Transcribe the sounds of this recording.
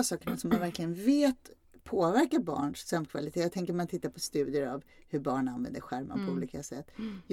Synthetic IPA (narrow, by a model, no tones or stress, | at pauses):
sɑːkəɳasɔmːanvæɾklɪɡənveːt̪ | pʰoːvæɾkabɑ̰ːɳʂsœmkʰva̰lɪt̪ʰeːjat̪ʰɛŋkəɾmant̪ʰɪt̪ːaɾpʰɔst̪ʉ̟ːd̪ɪəɾavhɵɾbɑːɳanvɛ̰nd̪əɾɧæɾma̰pʰɔuːliːkasɛt̪ːj